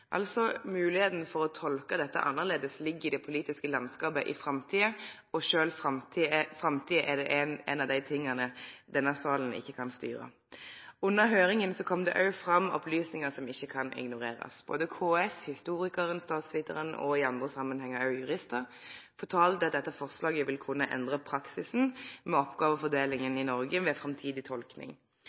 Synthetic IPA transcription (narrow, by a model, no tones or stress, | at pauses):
ʔɑ̰lsɔmʉːlɪheːt̪n̩fɔɾɔt̪ʰɔlkəd̪ɛt̪ːə̰ʔɑ̰nːəʁleːd̪əslɪɡːɪd̪ɛpʰʊliːt̪ɪskəlɑnskɑːpəʔɪfɾɑmt̪ʰiːə | ɔʃøːlfʁɑmt̪ʰiːfʁɑmt̪ʰiːəʔɛdɛʔɛnɛ̰nɑʋd̪æɪt̪ʰɪŋːənəd̪ɛnːəsɑːlən̩ɪ̰çːəkʰɑnst̪y̰ːʁə̰ | ʉnːəɾɦøːɾɪŋənsɔkʰɔmd̪ɛ̰ʔɑʉfʁɑmːɔ̰plyːsnɪŋəsɔmɪçːəkʰɑnʔɪ̰ɡnʊʁeːɾə̰sb̥oːd̪əkʰoːɛshɪst̪uːɾɪkəɾənst̪ɑːt̪sʋɪt̪əʁənɔ̰ɪɑnd̪ʁəsɑmːənhɛŋːəɾɑʉjʉʁɪst̪əɾ | fɔt̪ʰɑːlt̪ɛt̪̚d̪ɛt̪ːəfɔʁslɑːɡəʋɪlkʰʊnːəʔɛ̰nd̪ʁəpʰɾɑksɪsn̩mɛɔpɡɑːʋəfɔd̪eːlɪŋənɪnɔʁɡəʋɛfɾɑmt̪ʰiːd̪ɪt̪ʰɔlknɪ̰ŋ